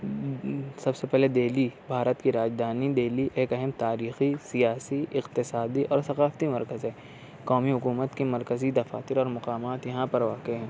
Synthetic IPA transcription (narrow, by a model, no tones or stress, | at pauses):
sɐbsepɛɦled̪eːlibʱaːɾət̪kiɾaːd͡ʒd̪ʱaːnid̪eːliʔeːkɐɦɛmt̪aːɾiːxisijaːsiʔɪqt̪ɪsaːd̪iʔɔːɾsɐqaːft̪imɐɾkəzɦɛː | kɔːmiɦʊkuːmət̪kimɐɾkəzid̪ɐfa̰ːt̪ɪɾɔːɾmɐqaːmaːt̪jɐɦãpɐɾʋaːkeɦɛ̃ː